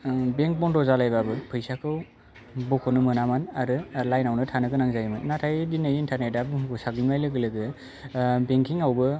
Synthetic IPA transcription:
beŋk̚bɔndɔzalajbabɯpʰɯjsakʰɯw | bɔkʰɔnɯmɯnamanaɾɯlajnawnɯtʰanɯɡɯnaŋzajmɯnnatʰajdinajintʰanajdabɯɡusaɡimajlɯɡɯlɯɡɯ | beŋkʰiŋawbɯ

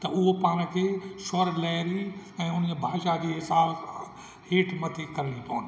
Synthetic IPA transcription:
t̪ɐʊɦopaːñ̆kʰeːʃɐɾlɛːɾiɛ̃ːʊn̤d͡ʑebʱaːʃad͡ʑiːɦɪsaːs | heːʈʰmɐt̪ʰekɐɾlipɐːʊnɪ

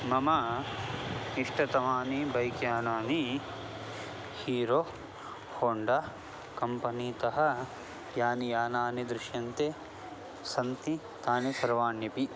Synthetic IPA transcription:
mɐmɐ | iʂʈʰɐt̪ɐʋaːnibʱɐjkjaːnaːni | hiːɾoː | hoːɳɖɐ | kɐmpɐniːt̪ɐɦɐ̆ | jaːnijaːnaːnid̪ɾuʃjɐnt̪e | sɐnt̪i | t̪aːnisɐɾʋaːɳjɐpi

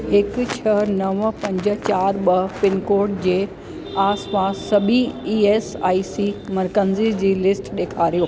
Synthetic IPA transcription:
ɦɪkt͡ɕʰɐnɐʋpɐ̃ɲd͡ʑə̆t͡ɕaːɾɓɐpɪnkoːɾʈ̚d͡ʑeː | aːspaːsːɐbiiːeːsaːisimɐɾkənzid͡ʑiːlɪsʈɗeːkʰaːɾijoː

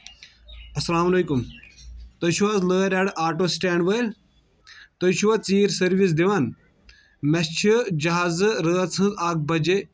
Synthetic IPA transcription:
ɐsɐlaːmɐleːkum | t̪ɐʃuʋaːzləːɾʲaɽaːɾʈoːsʈeːɳɖʋə | t̪ɐʃuʋat͡siːɾsɐɾʋis̬d̪iʋaːn | mɛst͡ʃʰid͡ʒɐɦaːzɨɾəːt͡sʰɐ̃nzaːk̚bɐd͡ʒe

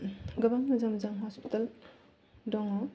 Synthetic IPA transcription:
ɡɐbaŋmɐzamzaŋɦɔspi̥tal | dɔŋɔ

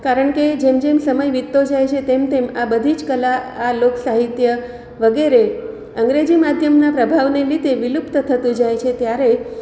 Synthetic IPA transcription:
kaɾəɳked͡ʒemd͡ʒemsəməjʋit̪ːod͡ʒajt͡ʃʰet̪emt̪emabəd̪ʱid͡ʒkəlaaloksaɦit̪jə | ʋəɡeɾe | əŋɡɾed͡ʒimad̪ʱjəmnapɾəbʱaʋneɾid̪ʱeʋilupt̪t̪ʰət̪ũd͡ʒajt͡ʃʰet̪jaɾe

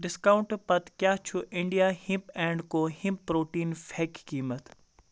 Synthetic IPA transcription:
ɖɪskaːʊ̃ɳʈpɐt̪kjaːt͡ʃʰuʔɪ̃ɳɖijaːhĩmpẽːɳɖkoːhɪ̃mpːɾoːʈiːnfʰeːkːiːmət̪

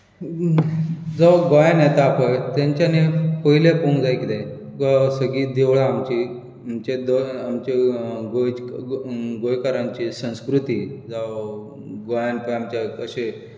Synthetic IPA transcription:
d͡zɔɡɔjanat̪aːpʰəjt̪jãɲt͡ɕanepəɦilepoŋd͡zajkit̪ɛ̃ | kɔsəɡiːd̪eʋɭaːmt͡ɕi | amt͡ɕed̪oamt͡ɕeɡoj | ɡojkaɾãɲt͡ɕisə̃w̃skɾut̪iːd͡za | ɡɔjanpəamt͡ɕakəɕe

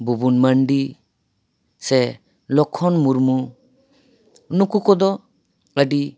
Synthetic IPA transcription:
bubunmaɳɖi | sɛ | lɔkʰːɔnmuɾmu | nukukɔd̪ɔ | əɖi

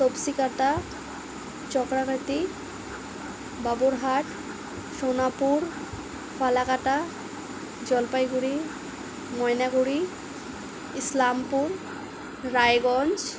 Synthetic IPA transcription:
sobsikaʈa | t͡ɕɔkɾakat̪i | baboɾɦaʈ | ʃonapuɾ | fʰalakaʈa | d͡ʑɔlpajɡuɾi | mɔjnaɡuɾi | islampuɾː | ajɡɔnd͡ʑ

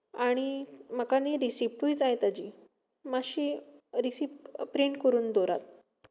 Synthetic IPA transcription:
aɽ̃iməkaniɾisip̚ʈuid͡zajt̪ad͡ʑi | maɕiːɾisip̚pɾiɳʈkəɾuːnd̪ɔɾa̰t̪̚

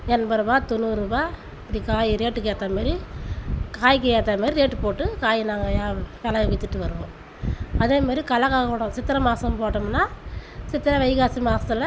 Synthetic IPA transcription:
ɛnbɐɾɐbaːt̪ɔnːuːɾuːbaː | pːɐɽikaːjiɾeːʈːɯkeːt̪ːaːmaːdɾi | kaːjkːɐjeːt̪ːaːmaːɾiɾeːʈːɯpoːʈːɯkaːjnaːŋɡɐjaːʋɛlɐɐʋɐt̪ːɯʈːɯʋɐɾɯʋõ̰ː | ɐðeːmaːd̪ɾikɐlɐkaːɣɐoːɽɐ̃sɪt̪ːɪɾɐmaːsɐmpoːʈːɐmnːaːsɪt̪ːɪɾɐʋɐɪɣaːsimaːsɐt̪ːɪlɐ

